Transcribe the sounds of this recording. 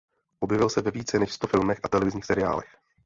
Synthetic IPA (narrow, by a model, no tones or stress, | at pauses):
ʔo̞bjɛvɪlsɛvɛviːt͡sɛnɛʃst̪o̞fɪlmɛxʔat̪ɛlɛvɪzɲiːxsɛɾɪa̰ːlɛ̰x